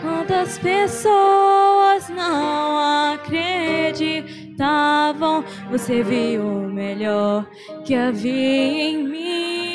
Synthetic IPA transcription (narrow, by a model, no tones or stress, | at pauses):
kwɐ̃nd̪ʊɐspesoɐznɐ̃w̃akɾed͡ʒi | t̪avɐ̃w̃ | voseviʊmeʎɔɾ | kɪaviẽj̃mĩ